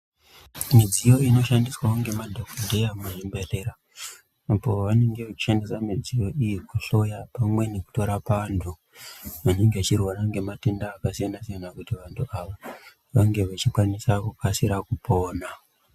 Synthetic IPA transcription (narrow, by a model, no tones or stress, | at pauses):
mid͡zijo̞ino̞ʃandiswauŋɡe̞madʱokodʱejameʐimbe̞re̞ɾaː | po̞ʋane̞ŋɡe̞ʋat͡ʃi̥ʃe̞ndesamid͡zijo̞ʔijikuɬo̞japamwe̞ne̞ku̥to̞ɾapantʰu | ʋane̞ŋɡeat͡ʃirwaɾaŋɡe̞mate̞ndaːkasijanasijanakutiʋantʰuaʋo | ʋaŋɡe̞ʋat͡ʃikwanisakukasiɾakupo̞ːna